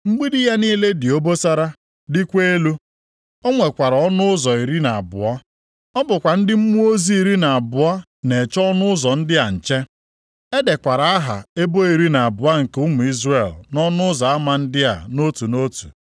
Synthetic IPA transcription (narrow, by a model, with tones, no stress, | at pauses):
ŋ͡m̩˦ɡ͡bi˦di˦ja˦niː˦le˦dɪ˨o˦bo˦sa˦ɾa˦ | dɪ˦kʷe˦lu˦ | o˦ŋʷe˨kʷa˨ɾɔ˦nʊ˦ʊ˦zɔ˨i˨ɾi˦na˨a˨bʊ̰˨a˦ | ɔ˦bʊ˨kʷa˨n̩˦dɪ˦m̩˦mu˦o˦zi˦i˨ɾi˦na˨a˨bʊ˨a˦ | ne˨t͡ʃɔ˦ɔ˦nʊ˦ʊ˦zɔ˨n̩˦dɪ˦a˨n̩˨t͡ʃe˦ | e˦de˨kʷa˨ɾa˨a˦ɦa̰˨e˦bo˦i˨ɾi˦na˨a˨bʊ˨a˦ŋ̩˨kʊ˦mʊ˨i˦zre˨lnɔ˦nʊ˦ʊ˦za˨a˦ma˨n̩˦dɪ˦a̰˨no˦tu˨no˦tu̥̰˨